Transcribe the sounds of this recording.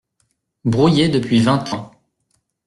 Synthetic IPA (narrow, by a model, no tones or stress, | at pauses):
bʁujed̪əpɥivɛ̃t̪ʰɑ̃